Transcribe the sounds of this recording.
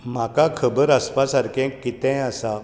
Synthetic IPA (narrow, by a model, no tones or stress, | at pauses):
m̤akakʰəbəɾəspasaɾkɛ̃kːit̪ɛ̃jəsa